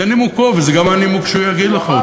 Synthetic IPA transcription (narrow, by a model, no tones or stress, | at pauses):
animukovzeɡamanimukʃujaɡid̪leχa